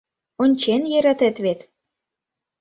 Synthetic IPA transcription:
onʲt͡ɕenjeɾæ̆t̪ĕt̪βet̪

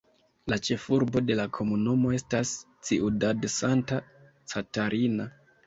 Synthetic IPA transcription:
lat͡ʃe̞fuɾbo̞de̞lakʰo̞munumo̞e̞stas | t͡siudadsanta | t͡sataɾʔina

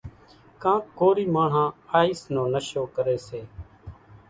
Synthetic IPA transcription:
kãːkoːɾiːmaːɳ̤ãːaːiːsnõːnəʃoːkəɾeːseː

